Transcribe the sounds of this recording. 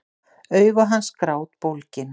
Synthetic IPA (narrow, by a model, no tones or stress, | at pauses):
œɥvaɦanːskɾaːwt̪̚powlcɪn